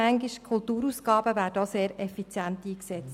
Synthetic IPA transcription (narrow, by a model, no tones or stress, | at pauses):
æŋɡiʃkʰultuːɾuːsɡɑːbəʋæːɾdəoseːɾɛfit͡sjænt̪iːksɛt͡s